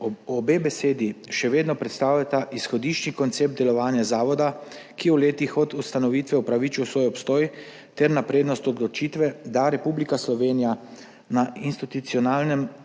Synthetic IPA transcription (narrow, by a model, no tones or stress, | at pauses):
ɔbebɛseːd̪iʃɛʋeːd̪nɔpɾɛt̪st̪aːwlʲat̪aʔisxɔd̪iʃt͡ʃnikɔnt̪seːp̚d̪d̪ɛlɔʋaːnjazaːʋɔd̪a | kiwleːt̪ixɔt̪ust̪anɔʋiːt̪ʋɛwpɾaʋiːt͡ʃiwsʋoːjɔpst̪ɔːj | t̪ɛɾnapɾeːd̪nɔst̪ɔd̪lɔt͡ʃiːt̪ʋɛd̪aɾɛpublikaslɔʋeːnija | nainst̪it̪ut̪siɔnaːlnɛm